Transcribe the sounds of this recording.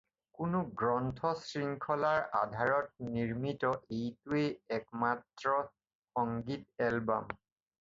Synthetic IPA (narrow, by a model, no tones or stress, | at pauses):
kʊnʊɡɹɔntʰɔsɹiŋkʰɔlaɹa̰dʱaɹɔt̚niɹmitɔʔejtueɛkmatɹɔ | xɔŋɡitɛlba̰m